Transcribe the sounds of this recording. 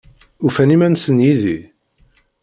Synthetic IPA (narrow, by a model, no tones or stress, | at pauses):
ufænimænsənjiði